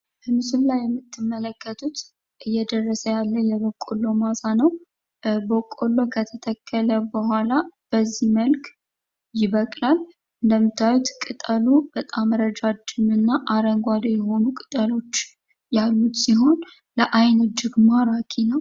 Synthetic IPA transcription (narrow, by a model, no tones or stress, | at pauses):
bəmɨsullajːɛmːɨt̪ːɨmːələkːət̪ʰut̪ | ʔɨjːɛd̪ərːəsəjalːəjɛβokʼːolːo̞masanəw | bokʼo̞lːo̞kʰət̪ʰət̪ʰəkʰːələbəɦʷalab̥əzːihməlk | jɪβəkʼlal | ʔʔɨnd̪əmɨt̪ʰːawut̪kʼɨt̪ʼəlubət̪ʼaməɾəd͡ʒad͡ʒɨmɨnːaʔaɾəŋɡʷad̪ojɛho̞nukʼɨ̥t̪ʼəlo̞t͡ʃː | jalːut̪siɦo̞n | ləʔajnɨd͡ʒɪɡmaɾakʰinəw